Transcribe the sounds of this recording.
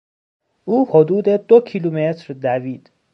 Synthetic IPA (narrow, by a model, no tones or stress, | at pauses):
ʔuːhod̪uːd̪ed̪ocʰilumet̪ɾd̪æviːd̪̥